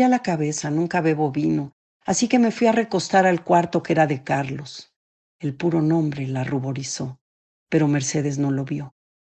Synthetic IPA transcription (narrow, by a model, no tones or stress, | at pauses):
alakaβe̞sanũŋkaβe̞βo̞βino̞ | asike̞me̞fwiare̞ko̞st̪aɾalkwaɾt̪o̞ke̞ɾaðe̞kaɾlo̞s | e̞lpuɾo̞nõ̞mbɾe̞laruβo̞ɾiso̞ | pe̞ɾo̞me̞ɾse̞ðe̞zno̞lo̞βjo̞